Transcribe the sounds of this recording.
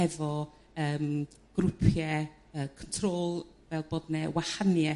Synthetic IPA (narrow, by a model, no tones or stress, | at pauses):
ɛvɔ | əːm | ɡ̥ɾʊpʰjɛ | əːkʰəntʰroːlˠ | vɛlˠboːdnɛwahanjɛ